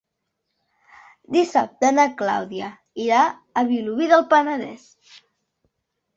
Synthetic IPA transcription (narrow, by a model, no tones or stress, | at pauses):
d̪isap̚t̪ənəkla̰wðiə | iɾa | əβiluβiðəlˠpənəðɛ̰s